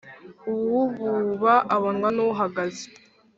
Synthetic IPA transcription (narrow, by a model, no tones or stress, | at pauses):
uβuβuβaʔaβonŋwanuuɦaɡaze̥